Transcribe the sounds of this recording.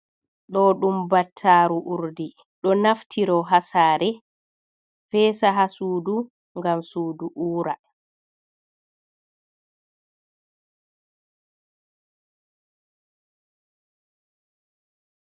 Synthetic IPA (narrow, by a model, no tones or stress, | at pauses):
ɗɔɗumbatʰːaːɾuʔuɾdi | ɗɔnaftʰiɾɔɦasaːɾɛ | fɛːsaɦasuːdu | ŋɡamsuːduʔuːɾa